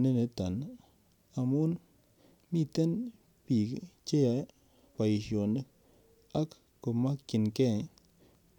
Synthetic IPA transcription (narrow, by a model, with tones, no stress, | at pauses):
ne˦ne˨ta˨n˦ | a˨mu˦n | mi˦˨te˦n | pi˨kt͡ʃe˦ja˨˦ | pa˨ji˨ʃjo˨nə˦ | a˦kː | o˨ma˦kki˨nke˦